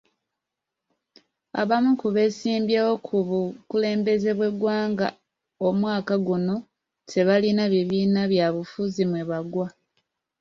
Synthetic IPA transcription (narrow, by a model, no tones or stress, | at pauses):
a̰βamukuβe̞siːmbjewo̞kʰuβukule̞ːmbe̞ze̞βwe̞ɡwaːŋɡa̰ | omwaːkaɡuno̞ | te̞βalinaβiβiːnaβjaβufuzimweβaɡwa